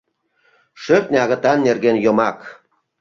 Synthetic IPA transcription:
ʃøk̚nʲɑɣə̆t̪ɑnːerɣenjomɑk

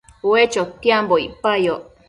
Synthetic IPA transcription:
uet͡ʃot̪ːiamboipajoʔ

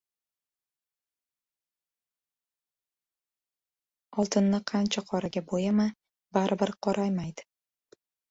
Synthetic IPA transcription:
ɒlˠt̪ʰɪnːɪqʰɑnt͡ʃʰaqʰɒɾaɡʲabojama | baɾʔɪbɪɾqʰɒɾʔajmajd̪ɪ̥

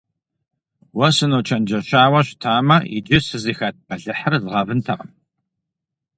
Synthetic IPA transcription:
wɐsɨnoːt͡ʃʰɐnd͡ʒɐɕaːwɐɕtʰaːmɐḭd͡ʒɪsɨzixɐt̚pɐɮɨħərzʁɐvɨntʰɐqɐm

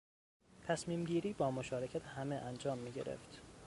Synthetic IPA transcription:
t̪ʰæsmiːmɟiːɾiːbɒːmo̞ʃɒːɾecʰæt̪ʰhæmeʔænd͡ʒɒːmːiːɟe̞̰ɾe̞̰ft̪

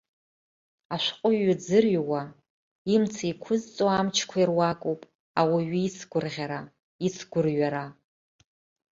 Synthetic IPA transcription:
aʃʷqʼʊɥːad͡zɨrjwa | imt͡sʰaikʷʰʊzt͡sʼoamt͡ʃʰkʷʰairwakʼowpʼ | awaɥiit͡sʰɡʷʊrʁʲaɾa | it͡sʰɡʷʊrɥaɾa

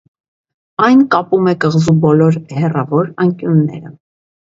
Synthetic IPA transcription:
ɑjnkɑpumɛkəʁzubɔlɔɾhɛrɑvɔɾɑŋkjunːɛ̰ɾə

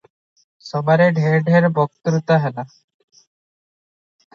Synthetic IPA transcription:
sɔbaɾeɖʱeɾɖʱeɾbɔk̚t̪ɾut̪aɦɛla

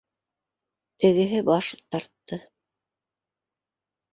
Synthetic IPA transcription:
t̪ɘ̆ɡɘ̆ɦɘbɑʃt̪ɑɾt̪ːɤ

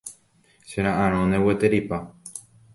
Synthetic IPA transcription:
ʃeɾ̃ãʔãɾ̃õnewet̪eɾipa

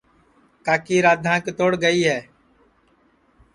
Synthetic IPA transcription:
kaːkiːɾaːd̪ʱãːkt̪oːɽɡəiːɦɛː

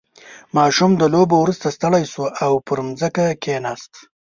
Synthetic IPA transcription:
mɑʃumd̪əlobowɾust̪ast̪əɽajsuʔawpəɾmzəkakenɑːst̪

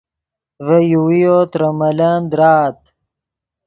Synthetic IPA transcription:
vejuwijot̪ɾɐmɐland̪ɾaːt̪̚

